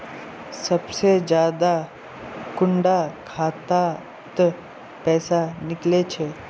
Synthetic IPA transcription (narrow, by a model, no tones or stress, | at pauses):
sɐbsed͡ʒjaːd̪a | kʊɳɖakʰaːt̪a | t̪ | pɛːsanɪklet͡ʃʰeː